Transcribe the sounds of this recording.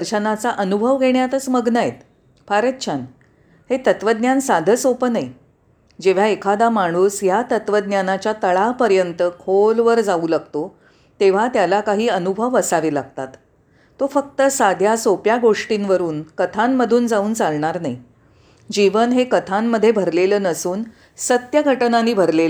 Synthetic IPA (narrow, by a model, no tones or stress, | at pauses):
əɾt͡ɕənat͡saʔənubʱəʋɡʱeɳjat̪əsməɡnajet̪ | paɾət̪ɕʰan | het̪ət̪ʋəd̪njansad̪ʱəsopənəj | d͡ʑeʋ̤aekʰad̪amaɽ̃uːsjat̪ət̪ʋəd̪njanat͡ɕjat̪əɭapəɾjənt̪əkʰolʋəɾd͡zauːlaɡ̚t̪o | t̪eʋ̤at̪jalakaɦiːənubʱəʋəsaʋelaɡ̚t̪at̪ | t̪ːofək̚t̪əsad̪ʱjasopjaɡoʂʈinʋəɾuːnkət̪ʰamːəd̪ʱuːnd͡zauːnt͡salɳaɾnaj | d͡ʑiʋənɦekət̪ʰamːəd̪ʱːjebʱəɾleləːnəsuːn | sət̪jəɡʱəʈnaniːbʱəɾlelə